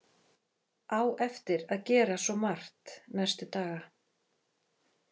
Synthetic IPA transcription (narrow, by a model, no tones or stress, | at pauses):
aːwɛft̪ɪɾaðcɛːɾasɔmar̥t̪nɛst̪ʏt̪aːɣa